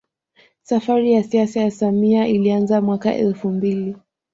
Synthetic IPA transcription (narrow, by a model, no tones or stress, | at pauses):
safaɾijasiasajasamiaʔilianzamwakaʔɛ̰lfumbili